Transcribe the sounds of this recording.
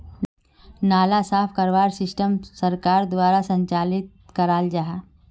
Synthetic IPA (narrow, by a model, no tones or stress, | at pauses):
naːlasaːpʰkɐɾʋaːɾsɪsʈəmsɐɾkaːɾd̪waːɾasə̃ɲt͡ʃaːlɪt̪̚kɐɾaːld͡ʒaɦa